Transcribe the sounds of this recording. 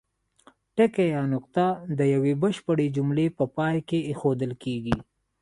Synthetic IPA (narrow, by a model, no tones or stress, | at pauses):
ʈekejɑnʊqt̪ad̪əjawebəʃpəɽed͡ʒʊmlepəpɑjkeːxod̪əlkeɡi